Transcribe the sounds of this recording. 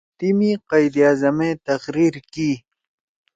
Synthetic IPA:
t̪imiqɐjd̪ijaːzɐmet̪ɐxɾiːɾki

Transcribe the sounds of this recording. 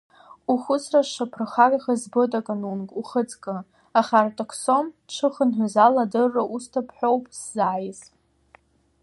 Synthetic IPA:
uχʷʊsʰraʃapʰraχaɡʲʼχazbotʼakʼanunkʼuχət͡sʼkʼɨ | aχartʼokʷʰsomʈ͡ʂʷʰɨχənħʷazaladɨrːaʔustʰapʰħʷᶣowpʼszaːjz

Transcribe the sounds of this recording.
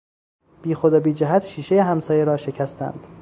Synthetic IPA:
b̥iːxod̪ɒbiːd͡ʒæɦæt̪ʃiːʃe̞jeɦæmsɒːjeɾɒːʃe̞cʰæst̪æ̰nd̪̥

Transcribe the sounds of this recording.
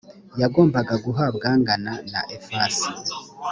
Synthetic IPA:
jaɡo̞ːmbaɡaɡuɦabɡaːŋɡanana̰ʔefaːsi

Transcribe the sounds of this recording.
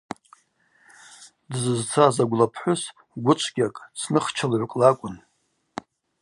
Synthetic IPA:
dzɨzt͡sʰazaɡʷlapʰħʷʊs | ɡʷʊt͡ʃʷʰʼɡʲakʼt͡sʰnɨχt͡ʃʰalʕʷkʼlakʷʼʊn

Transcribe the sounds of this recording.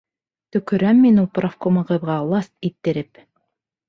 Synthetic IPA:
t̪ɵ̆kɵ̆ɾæmːinulˠprafkomɑʁɤ̆βʁɑlˠɑst̪̚it̪ːɘ̆ɾɘp

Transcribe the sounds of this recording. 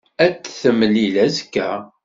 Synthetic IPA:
æt͡sːθəmːlilæzkːæ

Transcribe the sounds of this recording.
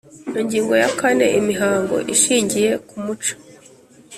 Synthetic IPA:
niɲɟiːŋɡo̞jakane̞̰ʔimiɦaːŋɡo̞̰ʔiʃiːɲɟije̞kumut͡ʃḁ

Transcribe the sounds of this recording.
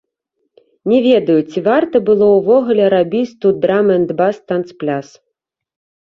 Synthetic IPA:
nʲɛvʲɛd̪ɐjut͡sʲivart̪ɐbɨlˠɔwvɔɣulʲɛɾabʲit͡sʲt̪ud̪ɾamɛnd̪bast̪ant̪splʲas

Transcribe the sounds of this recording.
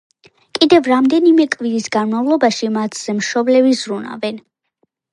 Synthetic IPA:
kʼid̪ɛvɾamd̪ɛnimɛkʼviɾisɡanmavlˠɔbaʃimat̪ʰz̥ɛmʃɔblɛbizɾuna̰vɛn

